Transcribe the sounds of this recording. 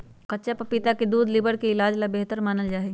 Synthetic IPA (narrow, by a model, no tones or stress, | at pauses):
kɐtːt͡ʃapɐpɪt̪aked̪uːd̪lɪbəɾkeɪlaːd͡ʒlabeɦt̪əɾmaːnəld͡ʒaːɦe